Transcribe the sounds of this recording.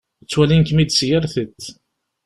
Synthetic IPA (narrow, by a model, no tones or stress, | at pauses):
ət͡sːwælinkmid̪sjəɾθət̪ː